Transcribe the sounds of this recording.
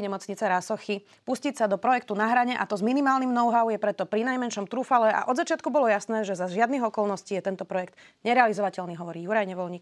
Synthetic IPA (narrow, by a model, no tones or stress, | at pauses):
ɲɛmɔt͡sɲit͡sɛɾasɔxi | puscicsad̪ɔpɾɔjɛkt̪unaɦɾaɲɛʔa̰t̪ɔzminimaːlnimnɔʊɦaʊjɛpɾɛt̪ɔpɾinajmɛnʃɔmt̪ɾufalɛʔa̰ʔɔd̪zat͡ʃɪat̪kubɔlɔjasnɛːʒɛzazʒɪad̪niɣɔkɔlnɔsciːjɛt̪ɛnt̪ɔpɾɔjɛkt̪ | ɲɛɾɛalizɔʋacɛlniɦɔʋɔɾiːjuɾajɲɛʋɔlɲik